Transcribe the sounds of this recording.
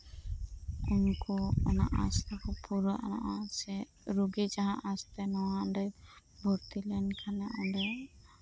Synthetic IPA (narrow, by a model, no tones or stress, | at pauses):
unkɔɔna̰ʔast̪akɔpuɾɔʔa̰na̰ʔasɛ | ɾuɡid͡ʒaɦãʔast̪ɛnɔwaɖɛj | bɔɾt̪ilɛnkʰanɛʔɔɳɖɛj